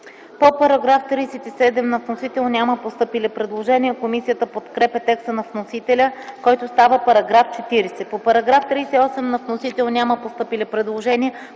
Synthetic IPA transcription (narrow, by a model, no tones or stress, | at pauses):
popɐɾɐɡɾaft̪ɾiːsɛt̪isɛd̪ɛmnɐfnosit̪ɛlˠnʲaməpost̪ɤpilɛpɾɛd̪lˠoʒɛniəkomisijət̪əpot̪kɾɛpɛt̪ɛkst̪ənɐfnosit̪ɛlʲəkɔjt̪ost̪avəpɐɾɐɡɾaft͡ʃɛt̪iɾɛsɛpopɐɾɐɡɾaft̪ɾiːsɛiɔsɛmnɐvnosit̪ɛlˠnʲaməpost̪ɤpilɛpɾɛd̪lˠoʒɛniə